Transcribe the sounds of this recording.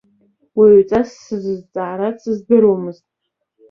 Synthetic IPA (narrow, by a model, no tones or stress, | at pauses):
wiʕʷt͡sʼasːɨzɨzt͡sʼaːɾat͡sʰʼɨzdɨɾomɨztʼ